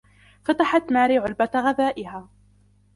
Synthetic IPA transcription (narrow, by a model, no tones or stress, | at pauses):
fat̪aħat̪maːɾiːʕʊlbat̪ɣaðaːʔɪhaː